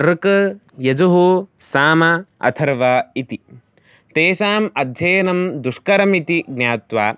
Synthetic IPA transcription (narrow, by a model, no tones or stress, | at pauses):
ɾkɐ | jɐd͡ʒuɦusaːmɐɐ̰t̪ʰɐɾʋaːit̪i | t̪eːʃaːmɐd̪ʱjɐːnɐmd̪uʂkɐɾɐmit̪iɡnʲjaːt̪ʋaː